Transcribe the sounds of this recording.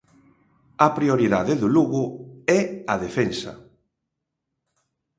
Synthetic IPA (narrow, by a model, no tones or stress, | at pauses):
ɐpɾioɾiðaðɪðʊluɣʊɛaðefensɐ̰